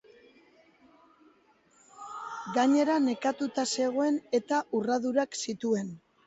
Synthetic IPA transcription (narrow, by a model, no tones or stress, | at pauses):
ɡaɲe̞ɾane̞kat̪ut̪ase̞ɣ̞o̞e̞ne̞t̪aʔuraðuɾaksit̪ue̞n